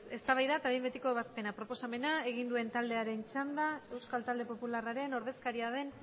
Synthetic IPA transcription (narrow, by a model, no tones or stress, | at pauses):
e̞st̪aβajðaet̪aβembet̪iko̞eβ̞aspe̞napɾo̞po̞same̞nae̞ɣ̞ind̪ue̞nt̪ald̪e̞aɾe̞nt͡ʃand̪ae̞wskalt̪ald̪e̞po̞pularaɾe̞no̞ɾð̞e̞skaɾiað̞e̞n